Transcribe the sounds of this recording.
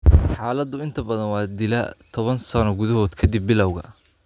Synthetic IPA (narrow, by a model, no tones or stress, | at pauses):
ħɑːlɐd̪ʊɪnt̪ʰɐbɐðɐnwɑːd̪ɪlɐt̪ʰɔβɐnsɐnɔɡʊðɐɦɔːd̪kʰɐd̪ɪbːɪlɐwɣɐ